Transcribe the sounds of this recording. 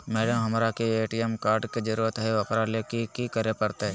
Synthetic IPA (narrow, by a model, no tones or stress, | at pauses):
mɛːɽəmɦɐmɾakeeːʈijemkaːɾɖked͡ʒɐɾuːɾət̪ɦɛʋɐkɾalekikikəɾepɐɾt̪eɦɛ